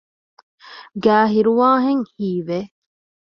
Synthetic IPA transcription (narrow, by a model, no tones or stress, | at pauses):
ɡæːɦiɾuʋaːɦeŋhiːʋe